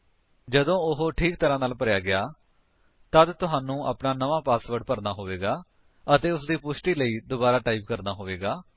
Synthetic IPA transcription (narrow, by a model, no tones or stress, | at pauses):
d͡ʒəd̪õːʊɦoːʈʰiːkt̪əɾãːnaːlpəɾjaːɡɪaː | t̪əd̪t̪ʊɦaːnũːʔa̰ːpnaːnəʋãːpaːsʋəɾɖpəɾnaːɦoːʋeːɡaː | ət̪eːʊsd̪iːpʊsʈiːləiːd̪oːbaːɾaːʈaːiːpkəɾnaːɦoːʋeːɡaː